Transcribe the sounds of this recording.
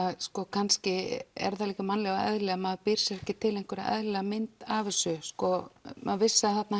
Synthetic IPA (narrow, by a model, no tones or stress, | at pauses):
aðskɔkʰanscɪɛ̰ɾðaliːkamanlɛɣaɛ̰ðlɛɣamaðpɪɾ̥sɾɛhcːɪt̪ʰɪlẽjŋ̥kʰvʏɾaɛ̰ðlɛɣamɪnt̪aːvɪsʏskɔmaðvɪsːaθat̪na